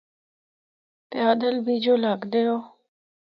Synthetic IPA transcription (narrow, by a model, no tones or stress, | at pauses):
pjaːd̪əlbiːd͡ʒoːlaːɡd̪eːoː